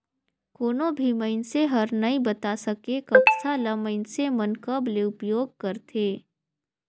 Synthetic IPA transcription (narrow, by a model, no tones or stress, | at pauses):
koːnõbʱiməɪnseɦɐɾnɐĩbɐt̪asɐkekɐksʰaləməɪnsemɐnkəbleʊpjoːɡ̚kɐɾt̪ʰeː